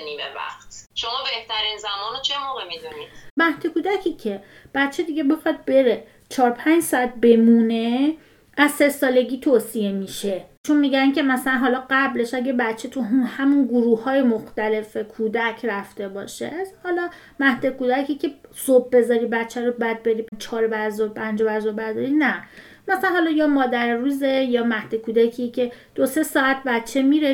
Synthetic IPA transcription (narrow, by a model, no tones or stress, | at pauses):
niːmevæ̰χt̪ʃomɒːbe̞ht̪ʰæɾinzæmɒːnot͡ʃʰemoːɣemid̪unid̥mæhd̪ekuːd̪æcʰiːcʰe̞ | b̥æt̪t͡ʃʰːed̪iɟʲe̞bexɒd̪̚beɾe | t͡ʃʰɒːɾpʰænd͡ʒsɒæt̪̚be̞mune̞ | æzsesɒːle̞ɟʲiːt̪ʰoːsije̞miʃe̞t͡ʃʰunmiɟæncʰemæsælænɦɒːlɒɢæble̞ʃæɟebæt̪t͡ʃʰet̪ʰuunhæmunɡuɾuːhɒːjemoxt̪æle̞fekʰuːd̪æcʰræft̪e̞bɒ̰ːʃḛhɒlɒː | mæhd̪ekuːd̪æcʰicʲʰe̞sob̚be̞zɒːɾibætt͡ʃʰːæɾobæd̪̚be̞ɾiːpt͡ʃʰɒːɾbæɾzɔpʰænd͡ʒobæɾzɔbæɾzɒɾinæ | mæsæænhɒːlɒːjɒːmɒːd̪æɾruːze̞jɒːmæhd̪̥ekʰuːd̪æcʰicʰe̞d̪̥ose̞sɒːæt̪̚bætt͡ʃʰe̞miːɾe